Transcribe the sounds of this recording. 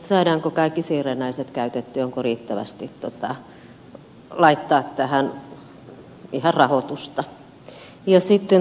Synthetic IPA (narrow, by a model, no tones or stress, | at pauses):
sɑiɾɑːŋkokɑikːisiːrenːæiset̪kæyt̪et̪ːyoŋkoriːt̪ːæʋæ̰st̪it̪t̪ot̪ɑ | lɑit̪ːɑːt̪t̪æhæn | ihɑrrɑhot̪ust̪ɑ | jɑsit̪ːe